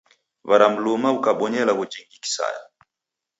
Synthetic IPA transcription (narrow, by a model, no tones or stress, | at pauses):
vaɾam̩lumaukaɓɔɲɛlaɣud͡ʒiŋɡiki̥sa̰ja̰